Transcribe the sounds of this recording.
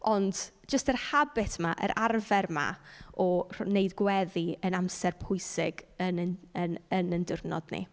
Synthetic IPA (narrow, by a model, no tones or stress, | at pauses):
ɔnd | d͡ʒəstərhabɪtmaʔə̰ɾʔarvɛrma̰ɔrneɨdɡwɛðiənamsɛrpʰʊɨsɪɡənənənəndɪrnɔ̰dnḭ